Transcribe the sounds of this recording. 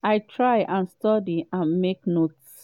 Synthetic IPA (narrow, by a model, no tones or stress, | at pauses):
aɪtʰɹajʔãnstɔdiãnmeknots